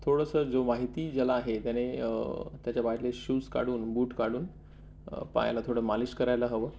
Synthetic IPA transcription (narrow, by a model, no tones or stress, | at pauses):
t̪ʰoɽəsəd͡zomaɦit̪iːd͡zəlaːɦet̪jane | t̪jat͡ɕjapaʈleɕuːska̰ɽuːnbuːʈkaɽuːn | pa̰ja̰lat̪ʰoɽəmaliskəɾajləɦəʋə